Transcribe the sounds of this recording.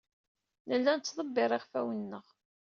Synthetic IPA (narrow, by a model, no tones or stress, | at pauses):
nəlːænt͡sːðˤəbːɪɾˤɪʁfæwənːəʁ